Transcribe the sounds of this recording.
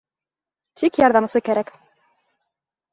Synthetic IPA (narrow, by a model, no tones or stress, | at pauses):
t̪ikjɑɾðɑmɤ̆sɤkæɾæk